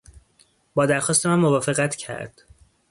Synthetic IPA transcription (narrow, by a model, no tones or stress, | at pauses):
bɒːd̪æɾxɒːst̪emæmːovɒːfe̞ɣæt̪ʰcʰæ̰ɾd̪̥